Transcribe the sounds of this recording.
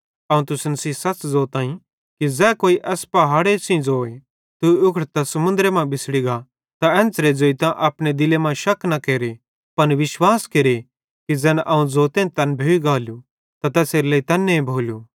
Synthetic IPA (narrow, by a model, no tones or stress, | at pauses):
ɐːũt̪ʊsnɐsiːsɐt͡ʃd͡zoːt̪ãːĩ | kid͡zɛːkoːiʔɛːspɐɦaːɽesĩd͡zoːe | t̪uʊkʰɽt̪asɐmʊ̃nd̪ɾemãbɪsɽiɡa | t̪aɛ̃ːnt͡sɾed͡zoːit̪ãʔɐpɽ̃ed̪ɪlemãʃɐkknɐkeːɾe | pɐnʋɪʃwaːskeːɾe | kid͡zɛːnʔɐːũd͡zoːt̪ẽnt̪ɐnbʱeːiɡaːlju | t̪at̪ɛːseːɾlɐit̪ɐnːeẽbʱoːlju